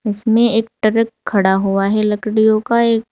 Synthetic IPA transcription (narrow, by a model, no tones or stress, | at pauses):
ɪsmẽeːk̚ʈɐɾək̚kʰːɐɽaɦuaɦɛlɐkɽijõkaeːk̚